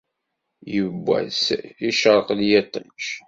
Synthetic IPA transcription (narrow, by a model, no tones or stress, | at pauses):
jəbːæ̰siʃəɾˤqljæt̪ˤə̰nt͡ʃ